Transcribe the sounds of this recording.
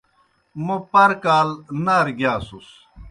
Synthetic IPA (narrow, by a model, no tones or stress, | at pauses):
mɐpɐɾkaːlnɐɾɡjaːsus